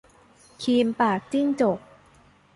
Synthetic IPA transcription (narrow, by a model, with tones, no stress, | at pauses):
kʰiː˧mpaː˨˩k̚t͡ɕi˥˩ŋt͡ɕo˨˩k̚